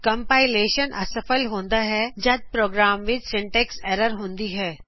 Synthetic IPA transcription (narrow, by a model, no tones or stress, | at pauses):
kɐ̃mpaːɪleːʃənʔɐ̰sɐfəlɦõːnd̪aɦɛd͡ʒɐt̪̚pɾoːɡɾaːmʋɪt͡ʃsɪ̃ɳʈɛːksɛɾəɾɦõːnd̪iɦɛː